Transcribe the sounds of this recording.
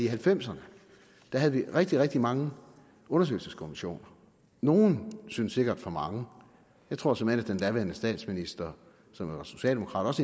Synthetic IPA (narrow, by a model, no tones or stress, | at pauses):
iɦælfem̰sɐnə | d̥æɦæð̩ˠʋiʁɛɡ̥̚d̥iʁɛɡ̥̚d̥imɑ̈ŋə | ɔ̽nɐsø̰ɪlsəskʰomiɕo̝̰ːnɐ | no̝ːn̩synsːe̝ɡ̥ɐd̥fɒ̽mɑ̈ŋə | jɑɪt͡sʰʁo̝ɐ̰sɒ̽men̰æd̥enlæʋenəsd̥ɛ̰ːd̥sminisd̥ɐ | sɒ̽mæʋɑ̈so̝̥ɕɛ̰ːldemo̝kʰʁɑ̈ːd̥ɒ̽se